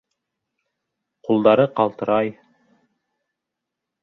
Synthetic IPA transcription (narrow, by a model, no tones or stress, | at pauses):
qulˠd̪ɑɾɤqɑlˠt̪ɤ̆ɾɑj